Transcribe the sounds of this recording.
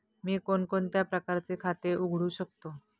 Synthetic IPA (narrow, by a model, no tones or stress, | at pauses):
miːkonkont̪japɾəkaɾt͡sekʰat̪eʔuɡʱɽuːɕək̚t̪o